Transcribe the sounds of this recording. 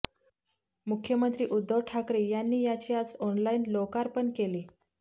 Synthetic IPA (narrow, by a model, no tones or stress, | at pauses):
mukʰjəmənt̪ɾiːʔud̪ʱːəʋʈʰakɾiːjanːiːjat͡ɕiːad͡zɔnlainlokaɾpəɳkeliː